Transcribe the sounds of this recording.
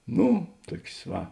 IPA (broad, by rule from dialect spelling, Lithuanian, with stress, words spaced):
ˈnʊ ˈtuɔkʲsʲ ˈʋɐ